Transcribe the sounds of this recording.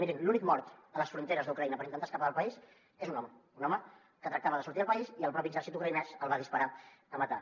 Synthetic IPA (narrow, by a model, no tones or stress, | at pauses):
iɾiŋlunikmɔɾt̪ələsfɾunt̪eɾəzðukɾəinəpəɾint̪ənt̪askəpaəlˠpəis | ezunɔməunɔmə | kət̪ɾək̚t̪aβəðəsuɾt̪iəlˠpəiziəlˠpɾɔpiəɡzɛɾsit̪ukɾəinɛsəlˠβaðispəɾaəmət̪a